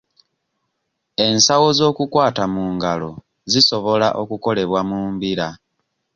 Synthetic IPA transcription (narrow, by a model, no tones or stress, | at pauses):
e̞nsawo̞zo̞ːkukwaːtamuːŋɡalo̞̰ | ziso̞βo̞laʔo̞kuko̞le̞βwamuːmbiɾa